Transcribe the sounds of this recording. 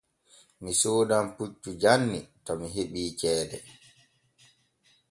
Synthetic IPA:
misoːdamput͡ʃːud͡ʒanːitɔmiɦeɓiːt͡ʃɛːdɛ

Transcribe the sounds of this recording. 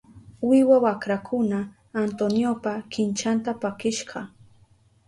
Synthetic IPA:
wɪwawakɾakʰʊnaː | nt̪onjopakɪnt͡ʃant̪apakɪʃɢɑ

